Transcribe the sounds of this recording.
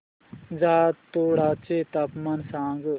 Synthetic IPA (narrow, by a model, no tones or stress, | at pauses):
zaːt̪oːɽaːt͡ʃet̪apmansãːŋɡ